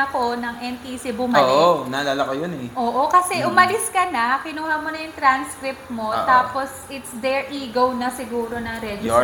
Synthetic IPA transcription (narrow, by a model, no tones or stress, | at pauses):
ɐko̞nɐŋʔɛnt̪isibʊmɐolːɪonalaːlɐkɐjonɛʔoːʔokɐsɛʔʊmɐlɪskɐnɐkɪnuːhɐnmonɐjʊŋt̪ɾanskɾɪp̚t̪̚mo̞t̪aːpo̞sʔɪt̪sd̪ɛɹʔiːɡownɐsɪɡuːɾo̞nɐŋɾɛd̪o